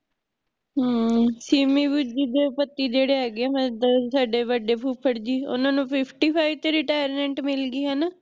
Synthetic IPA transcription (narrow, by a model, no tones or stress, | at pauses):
ɦːsiːmiːbud͡ʒiːd̪eːpət̪ːiːd͡ʒeːɽeːaːɡeaːmə̃saːɖeːʋəɖeːpʰuːpʰːəɽd͡ʒiːʊ̰nãːnũːpʰɪpʰʈiːpʰaːiʋt̪eːɾɪʈaːjəɾmɛ̃ːɳʈmɪlɡiːɦɛnaː